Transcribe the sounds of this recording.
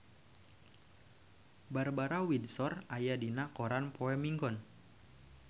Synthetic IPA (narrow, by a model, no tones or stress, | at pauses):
barbaɾawidsɔrajadinakɔɾanpoɛmiŋɡɔn